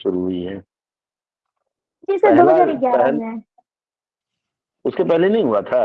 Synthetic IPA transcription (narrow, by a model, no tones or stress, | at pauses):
ʃʊɾuɦuiɦɛː | ɪsed̪od͡ʒaiɡaɛɦnɛ̃ | ʊskepɛɦlenɐɦĩɦuat̪ʰa